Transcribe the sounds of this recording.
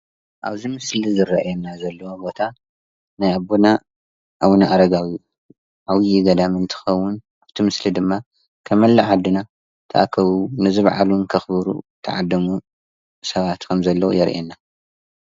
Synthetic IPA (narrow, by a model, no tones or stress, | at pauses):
ʔa̰βzimɨslizɨrɐʔajenːazɐlːɐwobo̞t̪ʰa | najabona | ʔawnaʔaɾɐɡawju | ʔawjiɡɐd̪amɨnt̪ʰɨ̥xɐwːʊn | aβt̪ʰimɨslid̪ɨmːa | kʰɐmɐlːɐʕad̪ːɨna | t̪ʰɐʔakʰɐβunɨzɨβʕa̰lunkʰɐxβɨɾṵt̪ʰɐ̰ʕad̪ːɐmu | sɐβat̪kʰɐmzɐlːɐwo̰jɛɾʔenːa